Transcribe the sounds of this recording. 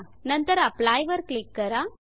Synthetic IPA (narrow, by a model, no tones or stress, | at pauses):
nɐnt̪ɐɾɐplaːjʋɐɾklɪkːɐɾaː